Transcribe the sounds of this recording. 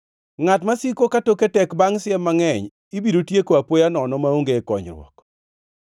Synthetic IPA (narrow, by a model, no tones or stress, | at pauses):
ŋatmasikokatoketɛkbaŋsɪɛmaŋɛɲ | ibiɾotjekoapojanɔnɔmaoŋɡeːkɔɲɾwɔ̰k